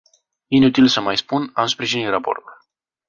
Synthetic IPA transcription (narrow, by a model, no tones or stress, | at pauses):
inut̪ilsəmajspunamspɾiʒinit̪rapo̞̰rt̪ul